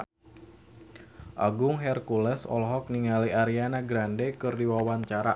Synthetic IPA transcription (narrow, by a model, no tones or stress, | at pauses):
ʔaɡʊŋɦɛrkulɛsɔ̰lɦɔk̚niŋaliʔaɾianaɡɾandekɨrdiwawaɲt͡ʃaɾa̰